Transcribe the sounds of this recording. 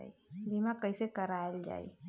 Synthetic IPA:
ḭbimakəisekəɾaːld͡ʒa̰ːḭ

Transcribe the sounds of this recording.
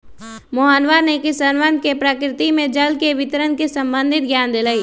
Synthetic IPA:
moɦənʋanekɪsənʋənkepɾəkɾɪt̪imẽd͡ʒəlkeʋɪt̪əɾənkisɐ̃mbə̃nd̪ʱɪt̪̚ɡʱjaːnd̪elaːiː

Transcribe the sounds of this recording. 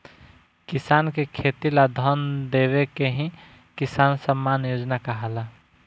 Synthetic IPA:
kisankekʰet̪ilad̪ʱənd̪eβekeɦĩ | kisansəmːanjod͡ʒnakaɦala

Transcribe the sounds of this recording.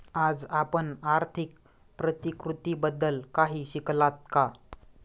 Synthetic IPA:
ad͡zapəɳaɾt̪ʰik̚ | pɾət̪ikɾut̪iːbəd̪ːəlkaɦiːɕiklat̪̚ka

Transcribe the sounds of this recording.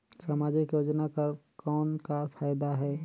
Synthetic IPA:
sɐmaːd͡ʒɪkjoːd͡ʒnakɐɾkɔːnkafʰaːjd̪aɦɛː

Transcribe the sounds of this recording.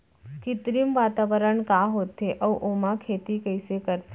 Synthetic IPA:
kɪt̪ɾimʋaːt̪aːʋəɾəɳkaːɦoːt̪ːeʔɐʋʔomãkʰeːt̪ikəjsekəɾt̪

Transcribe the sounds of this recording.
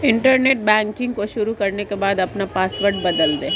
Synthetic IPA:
ɪɳʈəɾneːʈ̚bɛ̃ːŋkɪ̃ŋɡkoʃʊɾukɐɾnekebaːd̪ɐpnapaːsʋəɾɖ̚bɐd̪əld̪eː

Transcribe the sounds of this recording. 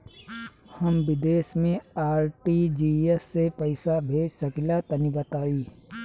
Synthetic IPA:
həmbɪd̪eːsmẽaːɾʈid͡ʒiːesːepəɪsabʱeːd͡ʒsəkilat̪ənibət̪aːiː

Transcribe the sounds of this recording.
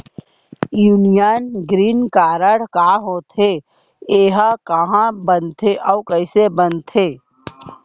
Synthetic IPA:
juːnijənɡɾiːnkaːɾəɽkaːɦoːt̪ʰe | eːɦakəɦãbənt̪ʰeʔɔːwkəɪsebənt̪ʰeː

